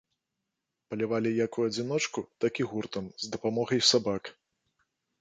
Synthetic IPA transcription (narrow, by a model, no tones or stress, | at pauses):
pɐlʲɛvalʲijakujuɐd͡zʲinɔt͡ʂkut̪akiɣurt̪ɐmzd̪ɐpamɔɣɐjsabak